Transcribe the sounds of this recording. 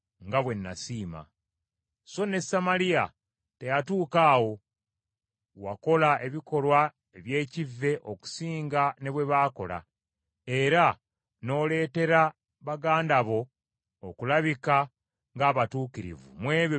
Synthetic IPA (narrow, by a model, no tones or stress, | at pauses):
ŋɡaβwe̞nːa̰siːma̰ | so̞ne̞samalija | te̞jatuːkaːwo̞ | wako̞laʔe̞βiko̞lwa | e̞βje̞ːcivːe̞ʔoku̥siːŋɡane̞βwe̞βaːko̞̰la̰ | e̞ɾa | no̞ːle̞ːte̞ɾa | βaɡaːndaβo̞ː | kulaβika | ŋɡaːβatuːkiɾḭvṵmwe̞ːβjo